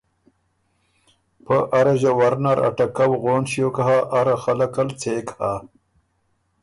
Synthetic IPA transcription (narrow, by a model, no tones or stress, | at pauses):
pəʔaɾaʑawaɾnaɾa̰ʈakawɣonɕjokahaʔaɾaxalakalt͡seka